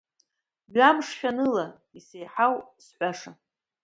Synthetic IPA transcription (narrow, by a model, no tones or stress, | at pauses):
ɥamʂχʲᶣanɨla | isejħawsħʷaʂa